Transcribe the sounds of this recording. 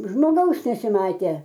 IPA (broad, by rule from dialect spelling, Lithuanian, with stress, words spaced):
ʒmoːˈɡɐʊs nʲɛsʲɪˈmɑːtʲeː